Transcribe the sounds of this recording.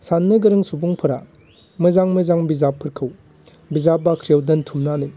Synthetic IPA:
sanːɯɡɯɾɯŋsubuŋpʰɯɾa̰ | mɯzaŋmɯzaŋbizapʰːɯɾkʰɯw | bizabakʰɾijawdɯntʰumnanɯ

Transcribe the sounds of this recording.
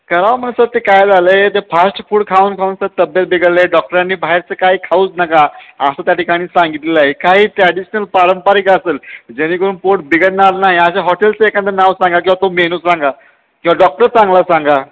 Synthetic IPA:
kəɾaʋm̤ənsəɾt̪ekajd͡zalet̪efʰasʈfuːɽkʰauːnkʰaunsət̪əbjət̪̚biɡəleɖɔk̚ʈəɾanːiːbʱaɦeɾt͡səkaɦiːkʰauːt͡snakaəsat̪jaʈikaɽ̃iːsãŋɡit̪lelaɦekaɦiːt̪ɾɛɽiɕənəlpaɾəmpaɾikəseld͡ʑeɽ̃ikəɾuːnpoʈ̚biɡəɽnaɾnaɦjaɕaɦɔʈelt͡səekant̪ənaʋsãŋɡak̬ĩw̃ʋat̪omenuːsɾaŋɡa | kĩwʋaɖɔk̚ʈəɾt͡sãŋɡlasãŋɡa

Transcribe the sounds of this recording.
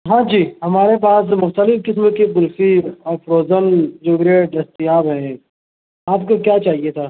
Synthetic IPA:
ɦãːd͡ʒiːɦɐmaːɾep̬aːs̬mʊxt̪əlɪfkɪsmokebʊlfiɔːɾfɾoːzənd͡ʒoːɡɾeɖɐst̪ijaːbɦɛ̃ | aːpkokjaːt͡ʃaːɦiet̪ʰaː

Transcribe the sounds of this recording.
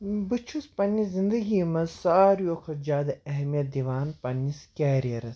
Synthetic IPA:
bɨt͡ʃʰuspɐnːizĩnd̪ɐɡimɐsaːɾjoːkʰɐd͡ʒaːd̪ɐɐɦɛmijɐt̪̚d̪iʋaːnpɐnːiskʲɛːɾijɐɾɐs

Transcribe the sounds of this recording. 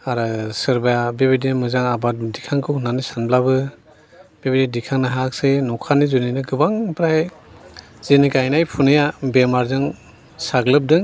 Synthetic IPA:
aɾɯsɯɾbajabebidimɯzaŋabat̚dikʰaŋkʰɯwnanɯsanblabɯ | b̥ebididikʰaŋnaɦak̚senɔkʰanizuninɯɡɯbaŋpʰɾaj | zenikajnajpʰunɯjabemaɾzɯŋ | saɡlɯp̚dɯŋ

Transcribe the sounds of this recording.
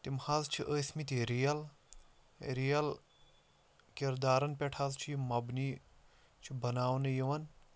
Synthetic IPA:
t̪imhazt͡ʃʰiʔəːsmit̪iɾijɐl | ɾijɐl | kiɾd̪aːɾɐnpʲɛʈʰazt͡ʃʰijimɐbni | t͡ʃʰibɐnaːwnɐjiʋɐn

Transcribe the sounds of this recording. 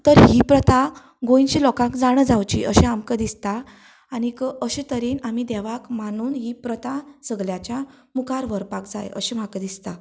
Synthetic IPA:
t̪əɾɦipɾət̪a | ɡõjnt͡ɕiːlɔkãkd͡zaɽ̃əd͡zawt͡ɕḭʔəɕẽamkəd̪ist̪aː | ñikəəɕet̪əɾenamid̪ɛʋakmañuːnɦiːpɾət̪asəɡljat͡ɕja | mukaɾʋəɾpakd͡za̰jʔə̰ɕem̤akəd̪ist̪a

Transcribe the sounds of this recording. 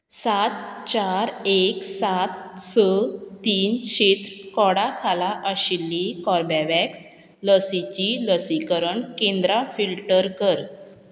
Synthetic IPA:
sat̪t͡ɕaɾeksat̪sət̪iːnɕit̪ɾkɔɽakʰalaʔəɕilːikɔɾbaʋɛks | ləsit͡ɕiləsikəɾəɳkẽnd̪ɾafilʈəɾkəɾ

